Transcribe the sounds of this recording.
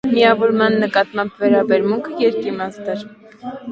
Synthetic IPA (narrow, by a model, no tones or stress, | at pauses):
miɑvɔɾmɑnːəkɑt̪mɑmbvɛɾɑbɛɾmuŋkʰəjɛɾkimɑst̪ɛɾ